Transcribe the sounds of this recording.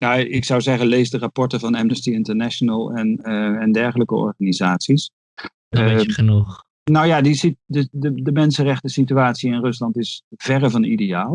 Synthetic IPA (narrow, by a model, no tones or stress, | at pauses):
jaɪksawzɛχənlejsdərapɔɹtəvɑnɛmnəstiɪntəɹnɛʃonəlˠɛnɛndɛɹχələkəɔ̰ɹχanizaːtsis | ənux | nawjaːdisidədədəmɛnsənrɛχtəsityaːtsiɪnrɵslɑntɪsv̥ɛrəvɑnidejaːlˠ